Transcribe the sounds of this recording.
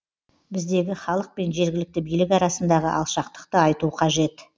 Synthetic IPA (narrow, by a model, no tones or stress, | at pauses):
bɪzd̪e̞ɡʲɪχɑlˠəq̚pe̞nʒe̞ɾɡʲɪlɪk̚t̪ɪbijlɪkɑɾɑsənd̪ɑʁə̰ʔɑ̰lˠʃɑqt̪ə̥qt̪əɑjt̪uqʰɑʒe̞t̪